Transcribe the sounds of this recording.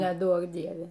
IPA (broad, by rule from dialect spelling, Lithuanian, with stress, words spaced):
nʲɛˈduɔk ˈdʲiɛʋʲɛ